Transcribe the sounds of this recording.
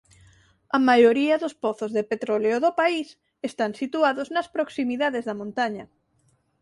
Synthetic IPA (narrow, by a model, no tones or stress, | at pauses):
ɐmajoɾiɐðospɔθozðepet̪ɾoleoðopais | est̪ansit̪uaðoznɐspɾoksimiðaðezðɐmõnt̪aɲɐ